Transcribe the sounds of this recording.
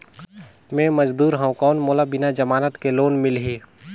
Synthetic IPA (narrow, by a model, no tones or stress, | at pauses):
mɛ̃ːməd͡ʒd̪uːɾɦõũkɔːnmoːlabɪnad͡ʒɐmaːnət̪keloːnmɪlɦiː